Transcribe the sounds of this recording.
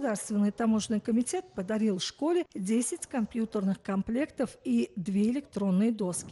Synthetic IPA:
d̪arst̪vʲɪnːɨjt̪amo̞ʐnɨjkəmʲɪtʲe̞t̪̚pəd̪aɾʲilˠfʂko̞lʲɪdʲesʲɪtʲkɐmpʲjut̪ərnɨχkɐmplʲe̞kt̪əfid̪vʲe̞ɪlʲɪkt̪ɾo̞nːɨjəd̪o̞skʲɪ

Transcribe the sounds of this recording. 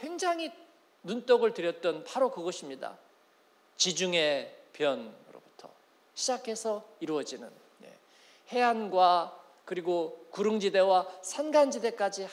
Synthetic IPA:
ɸwe̞ŋd͡ʑaŋi | nunt͈ʌɡɯɭtɯɾjʌt̚t͈ʌnpʰaɾokɯɡʌɕʰimɲida̰ | t͡ɕid͡ʑuŋe̞pjʌnɾo̰butʰʌ̰ | ɕʰid͡ʑakʰe̞sʰʌiɾuʌd͡ʑinɯn | je̞̰ | he̞anɡwa | kɯɾiɡokuɾɯŋd͡ʑide̞wasʰanɡand͡ʑide̞k͈ad͡ʑi

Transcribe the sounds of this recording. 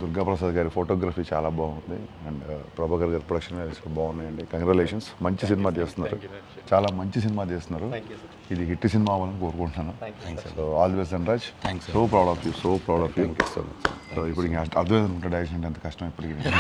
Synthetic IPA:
d̪uɾɡaːpɾɐsaːd̪ɡaːɾipʰoːʈoːɡɾaːpiːt͡ʃa̰ːlaːbaːund̪ḭɛɳɖpɾɐbʱaːkɐɾɡaːɾipɾoɽɐkʂɐnʋeisobaːund̪ɐjɐɳɖikɐŋɾeleːʂɐnsmɐɲt͡ʃis̬inimaːt͡ʃeːst̪unːaːɾut͡ʃaːlaːmɐɲt͡ʃis̬inimaːt͡ʃeːst̪unːaːɾu | id̪iɦiʈːisinimaːʋɐːlɐnikoːɾukoɳʈnaːnusoːaːld̪ɐʋes̬d̪ɐɳɾaːd͡ʒsoːpɾɐwɽaːfʰjusoːpɾɐwɽaːfʰjuso̰soːipːuɽikːɐɐɾt̪ʰɐmeːd̪ɐnkuɳʈːaɖɐjkʃɐnɐɳʈːɐnt̪ɐkɐʂʈɐ̃mipːɐʈikin

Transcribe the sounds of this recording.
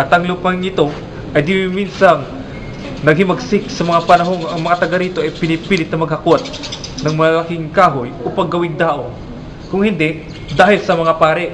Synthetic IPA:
ʔɐt̪ɐŋlupɐŋɪt̪o̞ | ʔɐjd̪ɪmiminsaŋ | nɐɡ̚hɪmɐɡsɪk̚sɐmɐŋapɐnɐɦoŋʔɐŋmɐŋat̪ɐɡaɾiːt̪oʔɐjpɪnɪpiːlɪt̪nɐmɐɡ̚hɐkot̪̚nɐŋmɐɐlakɪŋkaːɦojopɐɡːɐwɪŋd̪aːʔoŋ | kʊŋhɪnd̪ɛʔ | d̪aːɦɪlsɐmɐŋapaːɾɪʔ

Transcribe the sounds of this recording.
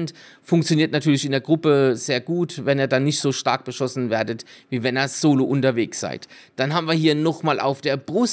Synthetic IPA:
nt | fʊŋkt͡sjoniːɐtnatʰyːɐlɪçɪndeːɐɡʁʊpəz̥eːɐɡuːtvɛneːɐdanɪçtz̥oːʃtaɐk̚b̥əʃɔsn̩veːɐdətviːvɛneːɐz̥oːloʔʊntɐveːksa̰ɪtd̥anɦaːbm̩viːɐɦiːɐnɔχmaːlʔa̰ʊfd̥eːɐbʁʊs

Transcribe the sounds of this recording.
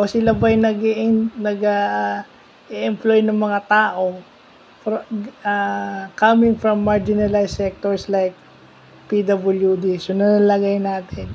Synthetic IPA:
ʔosɪlabɐjnɐɡiʔɪnnɐɡa | ʔɛʔɛmplojnɐŋmɐŋat̪aːʔo | fɾakamɪŋfɹɐmːaɹd͡ʒɪnɐlajsɛk̚t̪oɹslajk̚ | pid̪ɐbɐljud̪isonɐnlɐɡajnaːt̪ʰɪn

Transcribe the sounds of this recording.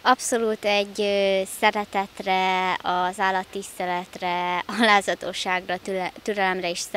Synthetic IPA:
ɒpso̞luːt̪ɛɟːøsɛɾɛt̪ɛt̪rɛɒzaːlːɒt̪ːist̪ɛlɛt̪rɛɒlaːzɒt̪oːʃaːɡrɒt̪yɾɛlɛmrɛiʃs

